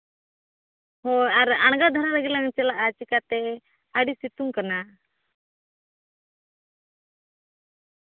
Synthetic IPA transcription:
hɔaɾaɳ̃ɡad̪ʱaɾaɾaɡɛlaŋt͡ʃɛlaʔat͡ʃikat̪ɛ | aɽisit̪uŋkana

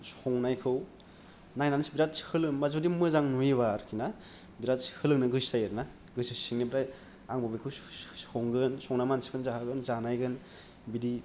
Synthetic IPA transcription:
sɔŋnajkʰɯw | najnanisbiɾat̚shɯlɯŋmazudimɯzaŋnuiβaɾkʰina | biɾat̚shɯlɯŋnɯɡɯsajeɾna | ɡɯsɯsiŋnibɾaj | aŋbabajkʰɯwoŋɡɯnsɔŋnamansi̥pʰɯnzahaɡɯnzanajɡɯn | bidi

